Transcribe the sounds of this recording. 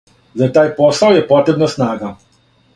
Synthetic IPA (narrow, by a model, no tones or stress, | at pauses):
zat̪aːjpɔsawjɛpɔːt̪ɾɛbnasnaːɡa